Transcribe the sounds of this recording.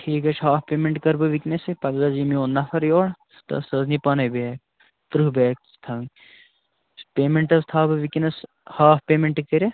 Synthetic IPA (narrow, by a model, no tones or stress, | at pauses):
ʈʰiːkɐt͡ʃʰɦaːfpeːmeɳʈkɐɾbɨʋiknɐsepɐɡɡɐzimionːafʰɐɾjoːɽ | st̪ɐ̰sɐznipɐnɐbeɐ | t̪ɾubeːk̚st̪ʰɐŋ | speːmeɳʈɐst̪ʰaːbɨʋikinɐs | haːfpeːmeɳʈkɐɾʲe